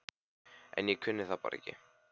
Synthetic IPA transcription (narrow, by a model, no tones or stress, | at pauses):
ɛ̰njɛɣkʰʏnːɪθapa̰ːɾɛ̰cːɪ